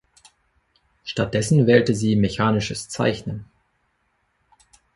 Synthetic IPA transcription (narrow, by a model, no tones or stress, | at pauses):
ʃtat̚d̥ɛsn̩vɛːltəziːmeçaːnɪʃəst͡sa̰ɪçnən